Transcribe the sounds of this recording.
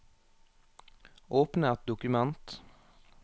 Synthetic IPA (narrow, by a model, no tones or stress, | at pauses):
ʔoːpnəɛt̪̚d̪ʊkʉmɛnt̪